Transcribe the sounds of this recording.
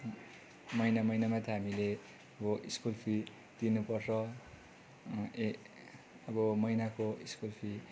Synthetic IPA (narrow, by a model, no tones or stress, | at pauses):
mʌjnamʌjnamat̪ʰʌɦamile | ʌbʌʔiskulpʰi | d̪̥inupʌrt͡sʌ | ʌbʌmʌjnakoiskulpʰi